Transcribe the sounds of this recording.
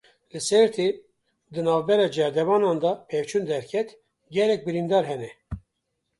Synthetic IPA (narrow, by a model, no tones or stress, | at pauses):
lɨsɛɾt̪ʰe | d̪ɨnɑːvbɛɾɑːd͡ʒɛɾd̪ɛvɑːnɑːnd̪ɑpʰɛvt͡ʃʰund̪ɛɾkʲʰɛt̪ | ɡɛlɛk̚bɨɾind̪ɑːɾɦɛnɛ